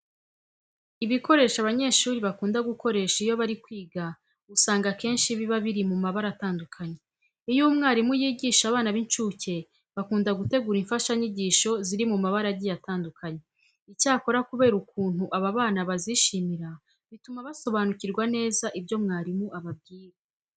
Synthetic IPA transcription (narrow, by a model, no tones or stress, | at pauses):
iβiko̞ɾe̞ːʃaβaɲe̞ʃuːɾiβakuːndaɡuko̞ɾe̞ʃaijo̞βaɾikwiːɡa | usaːŋɡake̞ːnʃiβiβaβiɾimumaβaɾataːndukʰaɲe̞ | ijumŋaːɾimujiːɟiːʃaβaːnaβint͡ʃuce̞ | βakuːndaɡute̞ɡuːɾiɱfaʃaɲiɟiːʃo̞ziɾimumaβaɾaɟijataːndukʰaɲe̞ | icaːko̞ɾakuβe̞ːɾukuːn̥huʔaβaβaːnaβaziʃimiɾa | βitumaβaso̞βanuciɾɡwane̞ːzaʔibɟo̞mŋaːɾimuaβab̚ɡiːɾe